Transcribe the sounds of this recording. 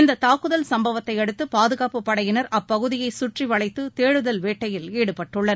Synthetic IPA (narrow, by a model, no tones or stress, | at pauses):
ɪnd̪ɐt̪aːkɯðɐlsɐmbɐʋɐt̪ːɐɪɛɽɯt̪ːɯpaːðɯɣaːpɯpːɐɽɐjɪnɐɾʔɐpːɐɣɯðɪjɐɪsʊʈriʋɐɭɐɪt̪ːɯt̪eːɻɯðɐlʋeːʈːɐjɪleːɽɯpɐʈːɯɭːɐɾ